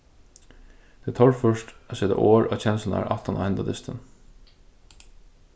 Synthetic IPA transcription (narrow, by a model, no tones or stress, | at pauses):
t̪ʰɛːt̪ʰɔɹfœʂt̪aseːt̪a̰ʔoːɹat͡ɕʰɛnɪsna̰ɹʔaft̪ana̰ɛnt̪ad̪ɪst̪ən